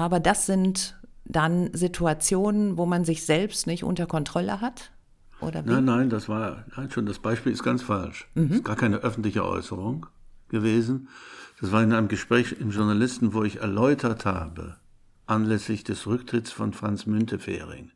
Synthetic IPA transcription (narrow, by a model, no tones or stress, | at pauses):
ʔaːbɐdasz̥ɪntd̥anzɪtʰuat͡sjoːnənvoːmanzɪçz̥ɛlpstnɪçtʔʊ̰ntɐkɔntʁ̥ɔlə̰ɦat | ʔo̰ːdɐ̰nanːaɪndasv̥aːɐnaɪnʃoːndasb̥aɪʃpiːlɪstɡ̥ant͡sfalʃm̩ɪsɡ̥aːɐkʰaɪnəʔœfn̩tlɪçə̰ʔɔ̰ʏsəʁʊŋɡ̥əveːzn̩d̥asv̥aːɐɪnʔaɪnəmɡəʃpʁ̥ɛːçɪmʒʊɐnalɪstn̩voːɪçɛ̰ɐlɔʏtʰɐtha̰ːbə̰ | ʔanlɛslɪçd̥ɛsʁʏktʁ̥ɪtsfɔnfʁ̥ant͡smʏntʰəfɛ̰ːʁɪ̰ŋ